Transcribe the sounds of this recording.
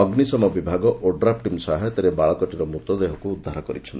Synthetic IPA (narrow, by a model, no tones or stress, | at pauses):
ɔɡnisɔmɔbibʱaɡɔʔʔoɖɾap̚ʈimsaɦet̪eɾebaɭɔkɔʈiɾɔmut̪ɔd̪eɦɔkuːd̪ʱːaɾɔkɔɾit͡ʃʰɔnt̪i